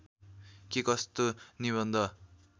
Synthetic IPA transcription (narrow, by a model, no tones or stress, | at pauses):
kekʌst̪oniβʌnd̪ʱʌ